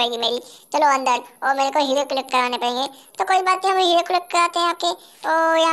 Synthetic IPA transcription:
əɽẽːŋɡimeːɾit͡ʃɐloɐ̃nd̪əɾɔːɾmɛːnekoɦɪleklɪkːɐɾaːnepɐɽẽːŋɡeːt̪oːkoːibaːt̪nĩɦɐmɦɪɾeklɪk̚kɐɾaːt̪eɦɛ̃aːp̚ke | ɔːjɐ̃

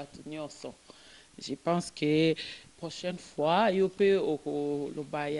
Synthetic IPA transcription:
at̪unɔsɔ̃ | ʒəpɑ̃skʰəpʁoʃɛnfwajopeokolobaj

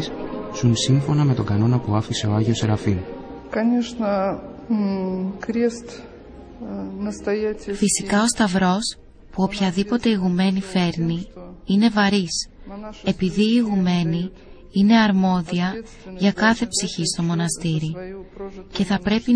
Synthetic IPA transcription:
ssunsiɱfo̞nɐme̞t̪o̞ɡɐno̞nɐpuɐfise̞o̞ɐʝio̞seɾɐfinkɐnʲeʂnə | kɾʲest̪ | nəst̪ɐjfisikɐo̞st̪ɐvɾo̞s | puo̞pçɐðipo̞t̪e̞iɣume̞nife̞ɾniine̞vɐɾise̞piðiːɣume̞ni | ine̞ɐɾmo̞ðiɐ | ʝɐkɐθe̞psiçist̪o̞mo̞nɐst̪iɾi | ce̞θɐpɾe̞pi

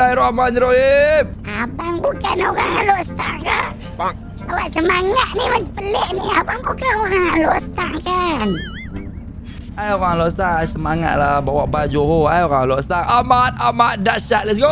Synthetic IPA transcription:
aiɾoamaniɾoemabaŋbukanoɣa̰ŋaloʔsət̪aŋka | baŋ | awaʔsəmaŋat̪̚niməəpəleʔniabaŋbukanoɣaŋaloʔsət̪aŋkan | ajoɣaŋlosət̪aŋasəmaŋa̰t̪̚labawaʔbad͡ʒoɦoajoɣaŋalɔʔst̪aŋamat̪̚amat̪̚daʔʃat̪̚lɛs̬ɡo

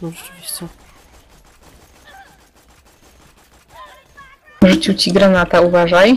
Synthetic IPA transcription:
ʐɛt͡ʂvʲiɕt͡ɕɛ | vʐɘt͡ɕut͡ɕiɡɾanat̪auvaʐaj

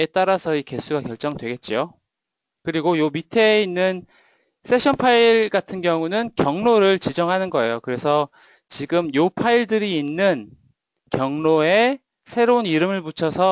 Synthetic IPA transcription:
e̞t͈aɾasʰʌike̞sʰuɡakjʌɭt͡ɕ͈ʌŋdwe̞ɡe̞t̚t͡ɕ͈io | kɯɾiɡojomitʰe̞inːɯn | s͈ʰe̞ɕʰʌnpʰaiɭɡatʰɯnɡjʌŋunɯnkjʌŋnoɾɯɭt͡ɕid͡ʑʌŋɦanɯnɡʌe̞jokɯɾe̞sʰʌ | t͡ɕiɡɯmjopʰaiɭdɯɾiːnːɯn | kjʌŋnoe̞ | sʰe̞ɾouniɾɯmɯɭmut͡ɕʰʌsʰʌ

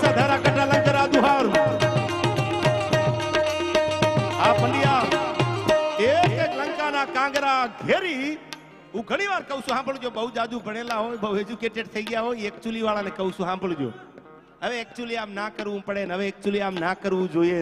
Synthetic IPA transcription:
sad̪ʱaɾakəʈalə̃ŋɡəɾad̪ũɦãɾũ | apəɳɖija | ekelə̃ŋkanakãŋɡɾaɡʱeɾi | ɦũɡʱəɽ̃iʋaɾkəũʃũɦãːmbəɭũd͡ʒjoɓəud͡ʒaːd̪ũbʱəɽ̃elãɦojbəued͡ʒukeʈeɖt̪ʰəiɡəjaɦojɛk̚t͡ʃuəliʋaɭanekəɦũsũɦãːmbəɭũd͡ʒo̰ | əʋeɛk̚t͡ʃuəliaːmnakəɾʋũpəɽenəʋeːk̚t͡ʃuəliaːmnakəɾʋũd͡ʒoie

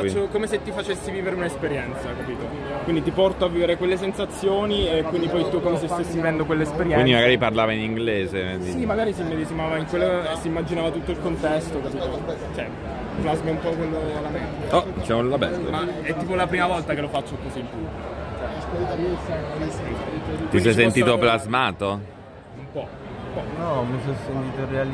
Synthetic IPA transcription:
at͡ʃːokomeset̪ːifat͡ʃesːiviːveɾeunaespeɾjɛnt̪sakapiːt̪o | kwind̪it̪ipɔrt̪oavːiːveɾekwelːes̬ensat̪sːjoːniekwind̪ipɔjt̪ukːomes̬esesːiivɛnd̪okwelːespeɾjɛwind̪imaɡaːɾiparlaːvainiŋɡleːzed̪isimaɡaːɾis̬imːed̪et͡ʃimaːvaiŋkwelːosːiːmːad͡ʒinaːvat̪ut̪ːoilkont̪ɛst̪okapiːt̪o | t͡ʃɛ | plazmeumpɔkwelːolameaɔd̪it͡ʃamollabɛ̰t̪o̰maɛt̪ːiːpolapɾiːmavɔlt̪akelofat͡ʃːokoziːmpubikot͡ʃɛiskoɾit̪amisɛonisest̪isɛjsent̪iːt̪oplazmaːt̪o | umpɔ | mpɔnɔmis̬ɔsent̪it̪oɾeal

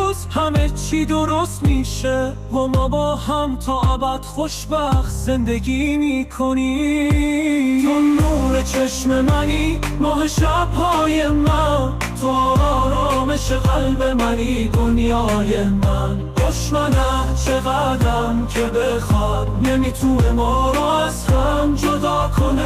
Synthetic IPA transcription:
uzhæme̞t͡ʃʰiːd̪oɾost̪miːʃe | vɔːmɒːbɒːhæmt̪ʰɒːʔæbæd̪̥xo̞ʃbæxt̪ze̞nd̪e̞ɡimikʰoni | t͡ʃonːuːɾet͡ʃʰeʃme̞mæni | mɒːɦeʃæb̥hɒːje̞mæn | t̪ʰoɒːɾɒːɾɒːme̞ʃeɣælbe̞mæniːd̪onjɒːje̞mæn | oʃmænæt͡ʃʰeɣæd̪ɾæmkʰe̞bexɒːd̪nemit̪ʰune̞mɒːɾɒːæzhæɾmd͡ʒod̪ɒːkʰone

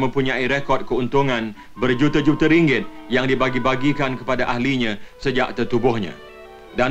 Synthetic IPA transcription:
mə̃mpuɲãiɾekɔd̚kəunt̪uŋãn | bərd͡ʒut̪ad͡ʒut̪aɾiŋɡɪt̪̚jaŋdibaɡibaɡikankə̥padaʔahliɲãsəd͡ʒaʔ̚t̪ət̪ubʊhɲã̰ | da

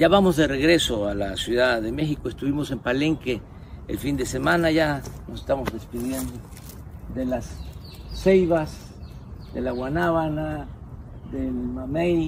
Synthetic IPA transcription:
jaβamo̞zðe̞re̞ɣɾe̞so̞alasjuðaðe̞me̞xikoest̪uβimose̞mpale̞ŋke | ḛlfind̪e̞se̞mãnaʝano̞sest̪amo̞zðe̞spiðje̞nd̪o | d̪elasː | ejβas | d̪elaɣwanaβana | ðelmamejl

